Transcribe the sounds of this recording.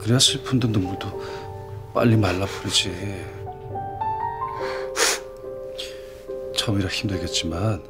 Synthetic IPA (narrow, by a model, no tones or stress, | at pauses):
kɯɾeasʰɯpʰundɯndɯŋɡudo | p͈a̰ʎːimalːapʰuɾid͡ʑe | t͡ɕʰʌmiɾaçimdweɡet̚t͡ɕ͈iman